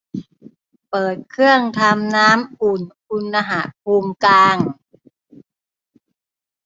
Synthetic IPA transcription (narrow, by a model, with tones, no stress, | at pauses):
pɤː˨˩t̪̚kʰɯ˥˩əŋt̪ʰa˧mnaː˦˥mʔuː˨˩nkʰu˧nːa˧ɦa˨˩t̪̚pʰuː˧mklaː˧ŋ